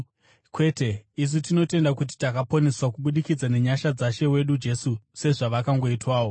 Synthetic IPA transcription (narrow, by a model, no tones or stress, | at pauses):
kwe̞te̞is̬utino̞te̞ndakut̬i̥takapone̞swakuɓuɗikid͡zane̞ɲaʃad͡zaʃe̞we̞ɗud͡ʒe̞suse̞ʐaʋakaŋɡo̞itwaːwo̞